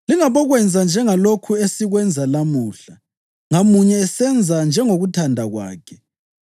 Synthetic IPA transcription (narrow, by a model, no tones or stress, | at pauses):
liŋaβɔɣwɛnd͡zʱand͡ʒʱɛŋalokʰuesiɣwɛnd͡zʱalamuːɬa | ŋamuɲɛːsɛnd͡zʱand͡ʒʱɛŋoɣutʰandʱaɣwa̰ːkʰɛ̥